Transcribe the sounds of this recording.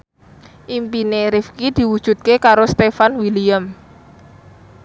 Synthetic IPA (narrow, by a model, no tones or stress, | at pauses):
ʔimpineɾifkid̪̥i̤wud̥ʒ̥ṳt̪̚kekaɾost̪efanwiliəm